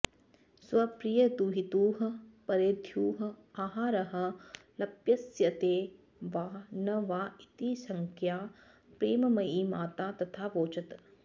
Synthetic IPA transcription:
sʋɐpɾijɐd̪uɦit̪uːɦɐ̆pɐɾeɾd̪ʰjuːɦɐ̆aːɦaːɾɐɦɐ̆lɐpjɐsjɐt̪eː | ʋaːnɐʋaːit̪isɐŋkʰjaː | pɾeːmɐmɐiːmaːt̪aːt̪ɐt̪ʰaːʋoːt͡ʃɐt̪

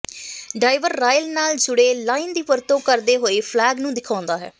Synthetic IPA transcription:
ɖaːɪʋəɾːaːjəlnaːld͡ʒʊɽeːlaːind̪iːpəɾt̪õːkəɾd̪eːɦoːeːpʰlɛːɡnũːd̪ɪkʰãːnd̪aːɦɛ̰ː

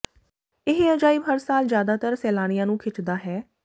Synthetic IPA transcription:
ɪɦeəd͡ʒaːiːbɦəɾsaːlzjaːd̪aːt̪əɾsɛːlaːɽ̃ɪjãːnũːkʰɪt͡ʃd̪aːɦɛː

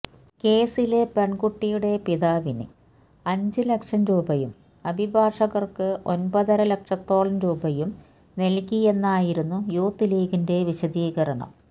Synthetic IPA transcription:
ke̞ːsile̞pe̞ɳɡuʈːijuɽe̞piðaːʋinɨ̰ | ɐɲd͡ʑɨle̞kʂɐmɾuːbɐjum | ɐbʱibʱaːʂɐɣɐrkɨʔo̞nbɐðɐɾɐlɐkʂɐt̪ːo̞ːɭɐnɾuːbɐjum | nelkie̞nːaːjiɾunːujuːt̪ːileːɣinde̞ʋiɕɐd̪iːɣɐɾɐɳɐ̰m

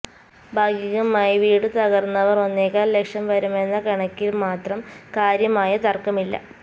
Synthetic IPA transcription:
bʱaːɡjɐɣɐmaːjiʋiːɽɨt̪ɐɣɐrnːɐʋɐro̞nːeːkːaːllekʂɐmʋɐɾume̞nːɐkɐɳɐkʲːilmaːt̪rɐmkaːɾjɐmaːjɐt̪ɐrkɐmilːɐ̰

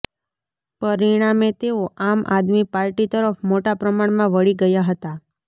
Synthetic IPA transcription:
pəɾiɽ̃amet̪eoʔamʔa̰d̪mipaɾʈit̪əɾəfʰmoʈapɾəmaɳmãʋəɭiɡəjaɦət̪a

